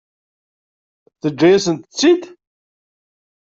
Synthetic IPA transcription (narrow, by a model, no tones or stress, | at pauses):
θəd͡ʒːæjæsənt̪ət͡sːid̪